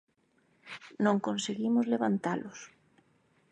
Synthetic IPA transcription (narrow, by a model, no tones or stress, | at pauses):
nõŋkõnseɣimʊzleβant̪alʔʊs